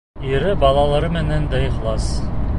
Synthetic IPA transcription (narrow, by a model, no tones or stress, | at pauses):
iɾɘbɑlˠɑlˠɑɾɤmɘ̆nænd̪æiχlˠɑs